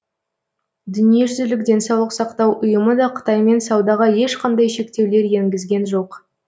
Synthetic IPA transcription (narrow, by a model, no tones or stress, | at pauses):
d̪ʏnije̞ʒʏzɪlɪkd̪ʲe̞nsɑwlˠəqsɑqt̪ɑwʔʊjəməd̪ɑqʰə̥t̪ɑjme̞nsɑwd̪ɑʁɑje̞ʃqʰɑnd̪ɑjʃe̞kt̪e̞wle̞ɾje̞ŋɡʲɪzɡʲe̞nʒo̞q